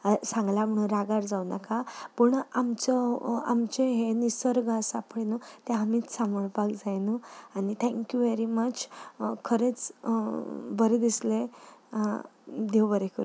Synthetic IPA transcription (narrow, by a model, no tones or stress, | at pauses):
sãŋɡlam̤əɽ̃ũnɾaɡaɾd͡zawnakapəɳamt͡ɕɔa̰mt͡ɕeɦenisəɾɡasapɽenot̪eamiːt͡ssaməɭpakd͡zajnəanit̪ʰɛ̃ŋkjuʋeɾimət͡ɕkʰəɾet͡s | bəɾed̪isle | d̪ewbəɾekʰəɾu